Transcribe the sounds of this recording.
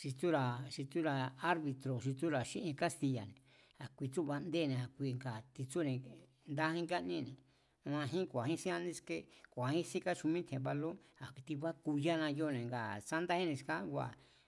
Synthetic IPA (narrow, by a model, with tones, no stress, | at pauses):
ʃi˧t͡su˦ɾa˨ʃi˧t͡su˦ɾa˧a˦ɾβi˧t̪ɾo˨ʃi˧t͡su˦ɾa˨ʃĩ˦ʔẽ˧ka˦st̪i˧ja̰˨nẽ˨ | a˨kʷi˧t͡su˦βa˧nd̪eː˦˨nẽ˨a˨kʷi˧˨˧ŋɡa˨t̪i˧t͡su˦nẽ˧ | nd̪a˦hĩ˦ŋɡa˦nĩ˦nẽ˨ | mã˧ɦĩ˦kʷa˨hĩ˦si˦ã˧nĩ˧ske˦kʷa˨hĩ˦si˦ka˦t͡ʃu˧mĩ˦t̪ʰẽ˨βa˧lo˦a˨kt̪i˧βa˦ku˧ja˦nã˧jo˦˨nẽ˨ŋɡa˨sa˦nd̪a˦hĩ˦nĩ˧ska˦ɡʷa̰˨